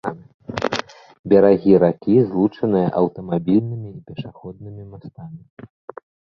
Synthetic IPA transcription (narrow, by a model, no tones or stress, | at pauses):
an | bʲɐɾaɣʲiɾakʲizlˠut͡ʂɐnɨjɐ̰ʔɐwt̪ɐmabʲilʲnɨmʲiipʲɛʂaxɔd̪̚nɨmʲimast̪amʲi